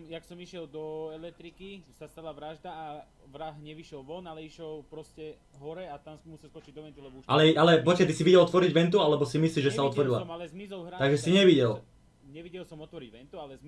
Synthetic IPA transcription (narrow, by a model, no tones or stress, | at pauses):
jaksɔmiʃɪɛld̪ɔɛlɛkt̪ɾikisast̪alaʋɾaʒd̪aː | ʋɾaɦɲɛʋiʃɪɛlʋɔnalɛiʃɔlpɾɔscɛ | ɦɔɾɛat̪ansɔmusɛlskɔt͡ʃiɟd̪ɔʋɛnt̪ulɛbɔuʃʔalɛʔalɛpɔckɛt̪isiʋiɟɛlɔt̪ʋɔɾiɟʋɛnt̪ualɛbɔsimisliʒɛsaɔt̪ʋɔɾilaalɛzmizɔlɦɾat̪aɡʒɛsiɲɛʋiɟɛl | ɲɛʋiɟɛlsɔmɔt̪ʋɔɾiɟʋɛnt̪ualɛ